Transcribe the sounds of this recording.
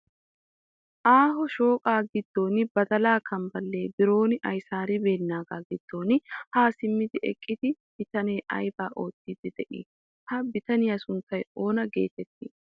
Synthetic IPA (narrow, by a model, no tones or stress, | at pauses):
ʔaːɦɔʃo̞ːkʼaːɡɪd̪ːo̞ːnɪbɐd̪ɐlaːkʰɐmbɐlːe̞ːbɪɾo̞ːnɪʔɐjsaːɾɪbe̞ːnːaːɡaːɡɪd̪̥ːo̞ːnɪhaːsɪmːɪd̪ɪʔɛ̰kʼːɪd̪ɪ | b̥ɪt̪ɐneːʔɐ̰jbaːʔo̞ːt̪ːid̪ɪd̪ɛʔḭː | hɐbɪt̪ɐnɪjɐsʊnt̪ːɐjo̞ːnɐɡe̞̰ːt̪ɛt̪ːɪː